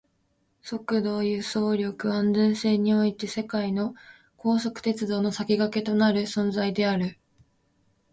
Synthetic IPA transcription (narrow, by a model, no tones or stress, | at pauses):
so̞kɯ̟d̪o̞ːjɯ̟so̞ːɾʲo̞kɯ̟ãndẽɰ̃se̞ːɲ̟io̞it̪e̞se̞kaino̞ | ko̞ːso̞kɯ̟̥t̪e̞t͡sɨd̪o̞ːno̞sakʲiɡake̞t̪o̞naɾɯ̟sõ̞nd͡zaid̪e̞aɾɯ̟